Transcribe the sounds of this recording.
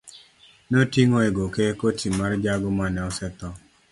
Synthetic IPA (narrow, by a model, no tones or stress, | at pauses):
notiŋoeɡokekotʰimard͡ʒaɡɔmanɛɔsɛt̪ɔ